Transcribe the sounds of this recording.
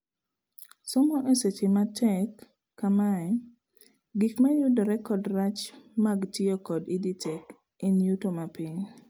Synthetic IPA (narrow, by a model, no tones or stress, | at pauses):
sɔmɔʔeset͡ʃimatʰɛkː | amaɛ | ɡikmajudɔɾɛkɔdɾat͡ʃmaɡtiokɔdiditʰɛk | enjutomapiɲ